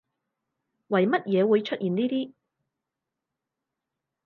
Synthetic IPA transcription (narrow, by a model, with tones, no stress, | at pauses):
wɐ˨˩jmɐ˥t̚jɛː˨˧wuː˨˧jt͡ʃʰɵ˥t̚jiː˨˩nniː˥t̪iː˥